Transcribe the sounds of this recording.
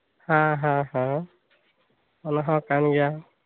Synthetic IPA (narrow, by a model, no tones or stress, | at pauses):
hãɦãɦã | ɔnaɦɔ̃kanɡija